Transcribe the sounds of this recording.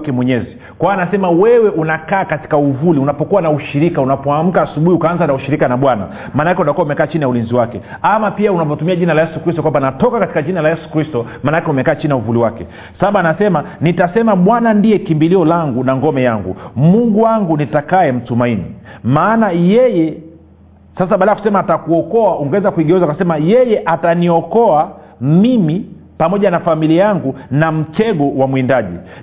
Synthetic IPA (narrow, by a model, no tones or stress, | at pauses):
kɛmwɛɲɛzi | kwawanasɛmawɛwɛʔunakaːkati̥kauvuliunapɔkuwanauʃiɾikaunapɔam̩kaːsuɓuhiukaanzanauʃiɾikanaɓwana̰ | maːnaakɛutakuaumɛkaːt͡ʃiniaulinziwakɛ | amapiaunapɔtumiaʄinalajɛsukɾistɔkwambanatɔkakati̥kaʄinalajɛsu̥kɾistɔmaːnakɛumɛkaːt͡ʃinijauvuliwakɛ | saaɓaanasɛmanitasɛmaɓwanandiɛkimbiliɔlaŋɡunaŋɡɔmɛjaŋɡṵmuŋɡuwaŋɡunitakaɛm̩tumainḭmaːnajɛjɛ | sas̬aɓalaku̥sɛmaːtakuɔkɔauŋɡɛɛzakuiɡɛɛzakasɛmajɛjɛʔataniɔkɔa | mimi | pamɔʄanafamiliajaŋɡunam̩tɛɡɔwamwindaʄḭ